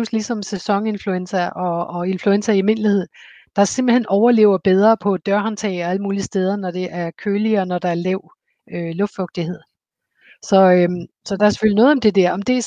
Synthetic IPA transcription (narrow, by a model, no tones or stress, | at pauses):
uslisɒ̽msesɒ̽ŋe̝nfluensɐʔɒ̽ːe̝nfluensæime̝n̰lihe̝ð̞̰ˠ | d̥ɑ̈se̝mb̥l̩henɒʊɐle̝ʊɐb̥eð̞ˠʁɐːpʰɒ̽d̥ɶɐɒnt͡sʰɛ̰ɪɒ̽æləmuːlisd̥eːð̞ˠɐnɒd̥e̝ʔæɐkʰøːliːnɒd̥ɑ̈æɐlɛʊ | ølɔfd̥fɔ̽ɡ̥̚d̥ihe̝ð̰ˠ | sɒ̽ø | sɒ̽d̥ɑ̈æɐse̥følinɔ̽ːð̞̩ˠɒ̽md̥e̝d̥æɐ̰ɒ̽md̥e̝